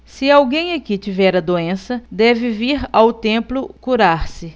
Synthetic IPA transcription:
sɪawɡẽj̃akit͡ʃivɛɾɐd̪oẽsɐd̪ɛvɪviɾawt̪ẽmplʊkuɾaɾsɪ

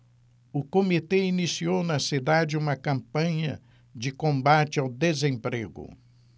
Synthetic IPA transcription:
ʊkomit̪einisiownɐsid̪ad͡ʒɪũmɐkɐ̃mpɐ̃ɲɐ̰ | d͡ʒɪkõmbat͡ʃɪawd̪ezẽmpɾeɡʊ̰

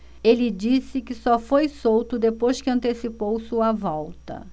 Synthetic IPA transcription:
elɪd͡ʒisɪkɪsɔfojsowt̪ʊd̪epojskɪɐ̃nt̪esipowsuɐvɔwt̪ɐ̰

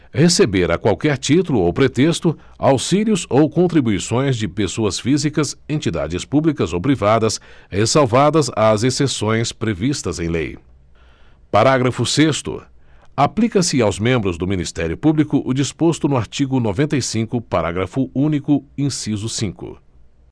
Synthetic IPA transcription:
hesebeɾa̰kwawkɛɾt͡ʃit̪ulʊowpɾet̪est̪ʊ | a̰wsiljʊzowkõnt̪ɾibuisõj̃zd͡ʒɪpesoɐsfizikɐsẽnt͡ʃid̪a̰d͡ʒɪspublikɐzowpɾivad̪ɐshesawvad̪ɐzazesesõj̃spɾevist̪ɐzẽj̃lḛj | paɾaɡɾɐfʊsest̪ʊ̰aplikɐsɪawzmẽmbɾʊzd̪ʊminist̪ɛɾjʊpublikʊʔʊd͡ʒispost̪ʊnʊaɾt͡ʃiɡʊnovẽnt̪ɐjsĩkʊpaɾaɡɾɐfʊũnikʊĩsizʊsĩŋkʊ̰

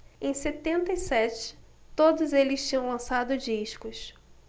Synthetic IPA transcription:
ẽj̃set̪ẽnt̪ɐisɛt͡ʃɪ̥ | t̪od̪ʊzelɪst͡ʃĩɲɐ̃w̃lɐ̃sad̪ʊd͡ʒiʃkʊs

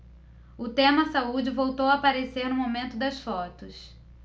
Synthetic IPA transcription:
ʊt̪ẽmɐsaud͡ʒɪvowt̪owɐapaɾeseɾnʊmomẽnt̪ʊd̪ɐsfɔt̪ʊs

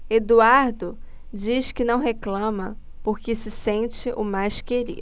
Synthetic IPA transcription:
ed̪uaɾd̪ʊ | d͡ʒiskɪnɐ̃w̃ɦeklɐ̃mɐ | poɾkɪsɪsẽt͡ʃɪʔʊmajskeɾḭ

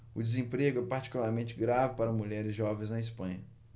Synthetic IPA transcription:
ʊd͡ʒɪzẽpɾeɡʊɛpaɾt͡ʃi̥kulaɾmẽnt͡ʃɪɡɾavɪpaɾɐmuʎɛɾɪzʒɔvẽznɐɪspɐ̃ɲɐ

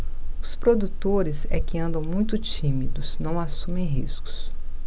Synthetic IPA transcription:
ʊspɾod̪ut̪oɾɪzɛkɪɐ̃nd̪ɐ̃w̃mũj̃t̪ʊt͡ʃĩmid̪ʊsnɐ̃w̃asũmẽj̃ɦiskʊ̥s

